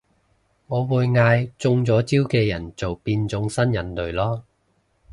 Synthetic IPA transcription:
ŋɔː˨˧wuː˨˧jŋaː˧jt͡sʊ˧ŋt͡sɔː˨˥t͡siː˥wkɛː˧jɐ˨˩nt͡so˨wpiː˧nt͡sʊ˨˥ŋsɐ˥njɐ˨˩nlɵ˨ɥlɔː˥

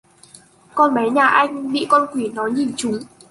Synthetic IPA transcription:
kɔ˧nɓa˨˦jɲaː˨˩ʔa˧jŋ̟ɓḭ˧˨kɔ˧nkwi˧˩nɔ˨˦jɲi˨˩nt͡ɕʊ˨˦ŋ͡m

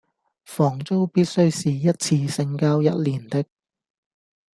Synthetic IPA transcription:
fɔː˨˩ŋt͡so˥wpiː˥t̚sɵ˥ɥsiː˨jɐ˥t̚t͡sʰiː˧sɪ˧ŋkaː˥wjɐ˥t̚liː˨˩nt̪ɪ˥k̚

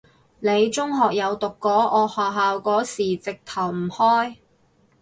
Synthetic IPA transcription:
ne˨˧jt͡sʊ˥ŋɦɔː˨k̚jɐ˨˧wt̪ʊ˨kːɔː˨˥ʔɔː˨˧hɔː˨ɦaː˨wkɔː˨˥siː˨˩t͡sɪ˨k̚t̪ʰɐ˨˩wm̩˨˩hɔː˥j

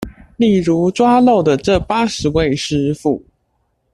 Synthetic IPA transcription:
li˥˩ɻu˧˥ʈ͡ʂwa˥lo˥˩ʊd̪ə˩ʈ͡ʂɤ˥˩pa˥ʂɻ̩˨˧˦we˥˨ɪʂɻ̩˥fu˥˩

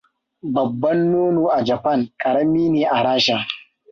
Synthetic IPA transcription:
bɐ˨bːɐ˦nːoː˦noː˨ʔa˨d͡ʒɐ˨ɸɐ˦˨ŋkʼɐ˨ɽɐ˦miː˦neː˨ʔa˨ɽaː˦ʃa˦

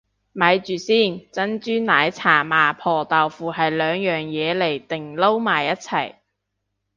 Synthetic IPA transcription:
mɐ˨˧jt͡ʃyː˨˩siː˥˩nt͡sɐ˥nt͡ʃyː˥nnaː˨˥jt͡sʰaː˨˩maː˨˩pʰɔː˨˩t̪aː˨˩wfuː˨ɦɐ˨jlœː˨˧ŋjœː˨ŋjɛː˨˧le˨˩jt̪ɪ˨˩ŋlo˥wmaː˨jɐ˥t̚t͡sʰɐ˨˩j

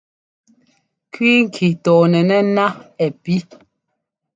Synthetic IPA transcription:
kwi˦ŋ̩˨kʰi˨tɔː˨nɛ˨nɛ˦na˦ɛ˨pi˦

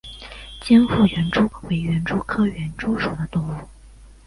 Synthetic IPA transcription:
t͡ɕji˥nfu˥˩ɥɛ˧˥nʈ͡ʂu˥we˧˩ɪɥɛ˧˥nʈ͡ʂu˥kʰɤ˥ɥɛ˧˥nʈ͡ʂu˥ʂu˨˩d̪ə˦t̪ʊ˥˧ŋu˥˩

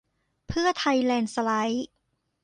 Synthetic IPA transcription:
pʰɯ˥˩ɐt̪ʰa˧jlɛː˧nsa˧la˦˥j

